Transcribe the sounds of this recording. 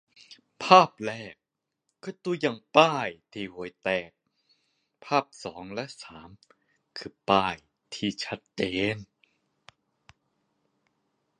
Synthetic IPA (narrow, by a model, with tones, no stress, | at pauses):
pʰaː˥˩p̚lɛː˥˩kː | ɯː˧˥˩t̪uː˧ja˨˩ŋpaː˥˩jt̪ʰiː˧˩hu˨˩˦jt̪ɛː˨˩k̚ | pʰaː˥˩p̚sɔː˩˦ŋlɛ˦˥ʔsaː˩˦m | kʰɯː˧˩paː˥˩j | t̪ʰiː˧˩t͡ɕʰa˦˥t̪̚t͡ɕeː˨˧n